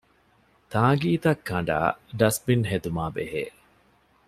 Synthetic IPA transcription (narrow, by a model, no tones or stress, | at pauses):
t̪aːɡiːt̪ɐkʰːɐɳɖa̰ːɖɐsbinɦed̪umaːbeɦḛː